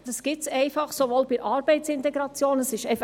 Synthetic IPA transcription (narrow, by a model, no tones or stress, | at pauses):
d̥ɑsɡ̥ɪtsɛɪfɑχsovoːlbɪɾʔɑːɾbɛɪtt͡sɪnt̪ɛɡɾɑt͡sjoːnəsɪʃɛɪf